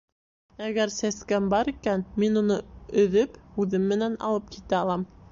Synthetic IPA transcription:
æɡæɾsæskæmbɑɾikænminunɤɵ̆ðɵpʉðɘmːɘ̆nænɑ̰lˠɤp̚kit̪æɑlˠɑm

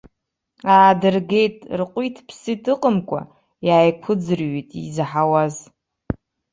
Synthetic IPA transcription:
aːdɨrɡe̞jtʼrqʷʼitʰpʰsitʰɨqʼəmkʷʼa̰ | jaːjkʷʰʊd͡zɨrɥitʼḭzħawaz

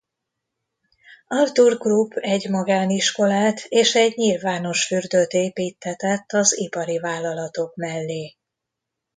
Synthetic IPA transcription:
ɒlt̪urɡlupːɛɟmɒɡaːniʃko̞laːt̪ʰeːʃɛɟɲilvaːno̞ʃfyrd̪øt̪eːpiːt̪ʰːɛt̪ɛt̪ːɒzipɒɾivaːlːɒlɒt̪o̞kmɛlːeː

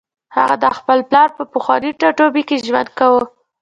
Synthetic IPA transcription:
ha̰ɣa̰d̪əxpəlplɑɾpəpəxwɑniʈaʈobikeʒwa̰nd̪̚kawə

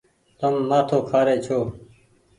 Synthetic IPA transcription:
t̪əmːaːt̪ʰoːkʰaːɾeːt͡ʃʰoː

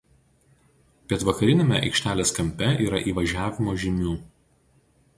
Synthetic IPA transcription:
pʲɛt̪ʋɐkɐɾʲɪnʲemʲɛ̰ʔɐ̰ɪkʃʲt̪ʲæːlʲeːskɐmʲpʲɛʔiːɾɐʔiːʋɐʒʲæːʋʲɪmoːʒʲɪmʲuː

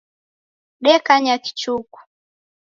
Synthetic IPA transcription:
ɗɛkaɲaki̥t͡ʃuku̥

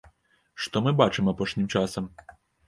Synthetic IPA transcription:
ʂt̪ɔmɨbat͡ʂɨmapɔʂnʲimt͡ʂasɐm

